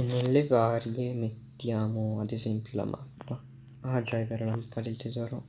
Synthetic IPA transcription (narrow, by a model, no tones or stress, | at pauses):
nːelːevaːɾjemet̪ːjaːmoad̪ezempjola̰mʔa̰p̪ːa | ad͡ʒajveɾalampad̪elt̪ezɔːɾo